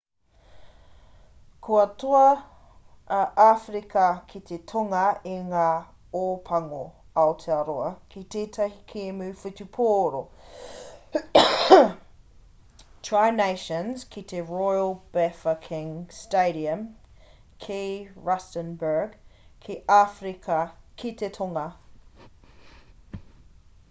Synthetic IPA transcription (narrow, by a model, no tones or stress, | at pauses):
kʰoɐtʰoɐ | ʔaːfɾikʰɐkʰit̪ʰetʰoŋɐeŋaː | oːpʰɐŋo | ɐot̪ʰeɐɾoɐkʰit̪eːt̪ʰɐhikʰeːmʉːfutupʰoːɾo | tʰɹajneʃənz̥kʰit̪ʰeɹɔjəlˠb̥ɛfɐkʰɪ̃ŋsteɪɾiə̃m | kʰeɹɐstə̃nbə˞ɡkʰeʔafɾikʰɐkʰit̪etʰoŋɐ